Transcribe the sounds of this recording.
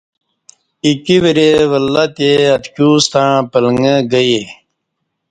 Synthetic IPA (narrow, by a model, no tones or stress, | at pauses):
ikiʋiɾeʋəlːat̪eɐt̪kjuːst̪ãpələŋɡəɡəje